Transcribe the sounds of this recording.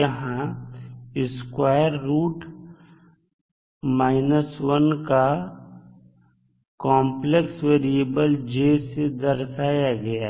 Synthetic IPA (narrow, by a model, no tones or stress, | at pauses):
əɦã | ɪskwaːjəɾːuːʈ | maːɪnəswənka | kɔ̃ːmpleksweːɾiebəld͡ʒeːsed̪ɐɾsaːjaɡɐjaː